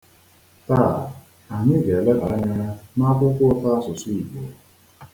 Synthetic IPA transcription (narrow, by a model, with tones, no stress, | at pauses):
ta˦˨ | a˨ɲɪ˦ɡe˨le˦ba˨a˦ɲa˦a˦na˦kʷʊ˦kʷʊ˦ta˦a˦sʊ˨si˦i˨bi˨˦